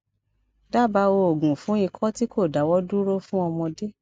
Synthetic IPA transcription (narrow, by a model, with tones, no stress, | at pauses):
da˦˨ba˧˦o˧o˨ɡũ˨fũ˨˦i˧kʰɔ˦ti˦ko˦˨da˨˦wɔ˦du˦ɾo˦fũ˦ɔ˧mɔ̃˧de˦